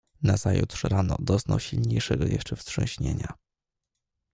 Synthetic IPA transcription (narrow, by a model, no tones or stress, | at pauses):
naz̥ajutʂɾanɔd̪ɔznawɕilɲejʂɛɡɔjɛʂt͡ʂɛfst̪ʂɛ̃w̃ɕɲeɲa